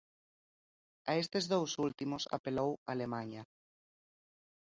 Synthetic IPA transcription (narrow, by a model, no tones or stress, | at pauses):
aest̪ezðowsult̪imosa̰pelowa̰ːlemaɲa